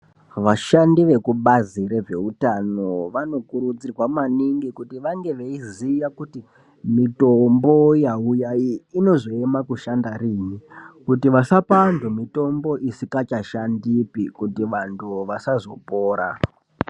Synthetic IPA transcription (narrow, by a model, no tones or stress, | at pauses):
ʋaʃandiʋe̞kuɓazire̞ʐe̞̰utano̞ʋano̞kuɾud͡zirwamaniŋɡikutiʋaŋɡe̞ʋeiziʋakuti | mitombo̞jaujaiːno̞zo̞emakuʃandariːɲikutiʋasapandʱomito̞mbo̞ʔisikat͡ʃaʃandipikutiʋantʰuʋasazo̞poːɾa̰